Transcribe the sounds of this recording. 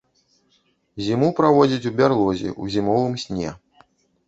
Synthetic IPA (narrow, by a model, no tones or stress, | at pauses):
zʲimupɾavɔd͡zʲit͡sʲubʲarlˠɔzʲḭʔṵzʲimɔvɨmsʲnʲɛ̰